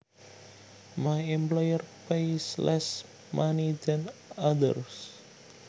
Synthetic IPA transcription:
maɛmplɔjərpejslʔɛs | mʔanid͡ʒanad̪ə̰rs

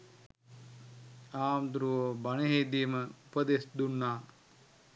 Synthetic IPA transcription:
aːmd̪ɾuʋoːbɐneɦeːd̪imɐupɐd̪esd̪unːaː

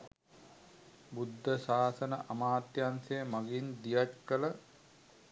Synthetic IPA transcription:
bud̪ʱːəsaːsɐnəʔamaːt̪jansɐjəmaɡind̪ijat͡ʃkələ

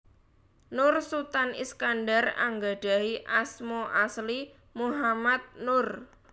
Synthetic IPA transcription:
nʊrsut̪anḭskanɖara̰ŋɡaɖ̥a̤iʔasmoʔasli | muɦamat̪̚nʊr

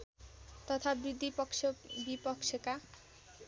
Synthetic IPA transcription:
t̪ɔt̪ʰabɾid̪ʱːipɔkʃobipɔkʃeka

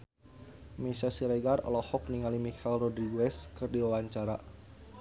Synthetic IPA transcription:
mesasiɾɛɡarɔ̰lɔhɔk̚niŋalimikɛlrɔdɾiɡuɛskɨrdiwawaɲt͡ʃaɾa

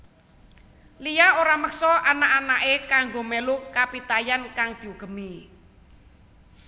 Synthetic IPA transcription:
lijaoɾaməksɔʔanaʔanaʔekaŋɡomelukapit̪ajankaŋd̪̥i̤uɡ̥ə̤mi

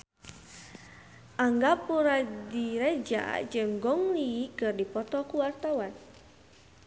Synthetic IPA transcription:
ʔaŋɡapuɾadiɾɛd͡ʒa̰d͡ʒɨŋɡɔŋliikɨrdipɔt̪ɔkuwart̪awan

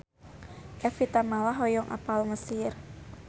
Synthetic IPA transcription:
ʔɛfit̪amalaɦɔjɔŋʔa̰palməsɪr

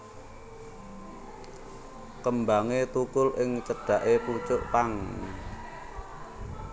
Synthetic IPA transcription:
kəmbaŋet̪ukʊlʔɪŋt͡ʃəɖ̥ä̤ʔeput͡ʃʊʔpaŋ

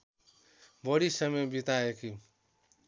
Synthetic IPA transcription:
bʌɽisʌmebit̪aeki

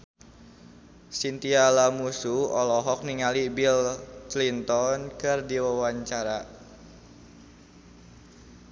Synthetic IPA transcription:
sint̪ialamusuɔlɔɦɔk̚niŋalibilt̪lint̪ɔnkɨrdiwawaɲt͡ʃaɾa

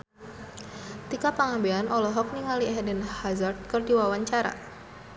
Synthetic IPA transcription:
t̪ikapəŋambeanʔɔlɔɦɔk̚niŋaliɦɛdɛnhazard̪̚kɨrdiwawaɲt͡ʃaɾa̰

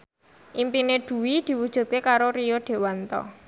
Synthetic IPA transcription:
ʔimpineɖ̪̥ṳwid̪̥i̤wud̥ʒ̥ṳt̪̚kekaɾoɾijoɖ̪̥e̤want̪ɔ̰

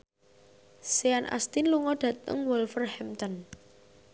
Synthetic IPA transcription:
seanʔa̰st̪inluŋɔɖ̥ä̤t̪ə̰ŋwɔlfərhɛmt̪ɔn

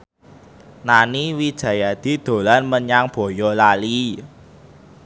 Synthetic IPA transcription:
naniwid̥ʒ̥ä̤jad̪̥i̤d̪̥o̤lanməɲaŋb̥ɔ̤jɔlali

